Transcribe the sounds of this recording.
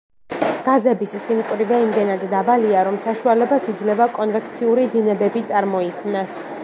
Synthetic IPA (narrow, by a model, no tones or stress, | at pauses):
ɡ̥azɛbissimkʼvɾivɛimd̪ɛnad̪ːabaliaɾɔmsaʃualɛbasid̪zlɛvakʼɔnvɛkʰt̪sʰiuɾid̪inɛbɛbit̪sʼaɾmɔikʰmnas